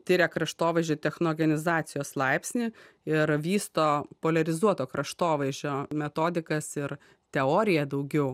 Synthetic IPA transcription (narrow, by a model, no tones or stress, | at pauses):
t̪ʲɪɾʲɛkɾɐʃt̪oːʋɐɪʒʲoːt̪ʲɛxnoːɡʲɛnʲɪzɑːt̪sʲɪjoːslˠɐɪpʲsʲnʲi | ɪɾʋʲiːst̪oːpoːlʲɐɾʲɪzuɔt̪oːkɾɐʃt̪oːʋɐɪʒʲoːmʲɛt̪oːd̪ʲɪkɐsɪɾ | t̪ʲɛoːɾʲɪjɛd̪ɐʊɡʲɛʊ